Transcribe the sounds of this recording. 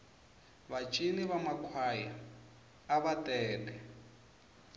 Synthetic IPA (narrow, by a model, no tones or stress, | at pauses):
βat͡ʃʼiniβamakʰwaːjaː | βatʼɛːlɛ